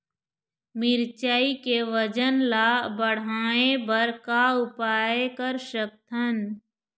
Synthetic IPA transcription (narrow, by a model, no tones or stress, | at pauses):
mɪɾt͡ʃaːikeʋəd͡ʒənlaːbəɽ̤aːẽbəɾkaʊpaːekəɾʃək̚t̪ʰən